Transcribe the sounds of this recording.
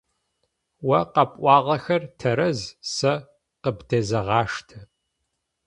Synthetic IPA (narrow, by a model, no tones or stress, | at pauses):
wɐqɐpʼʔʷɑːʁɐxɐrtʰɐɾɐzsɐ | qəbdʰeːzɐʁɑːʂtʰɐ